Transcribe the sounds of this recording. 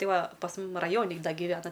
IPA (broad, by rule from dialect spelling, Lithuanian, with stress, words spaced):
ˈtɐɪ ˈʋɐ pɐs ˈmʊm rɐˈjoːnʲɪ ˈdɐ ɡʲɪˈʋʲæːnɐ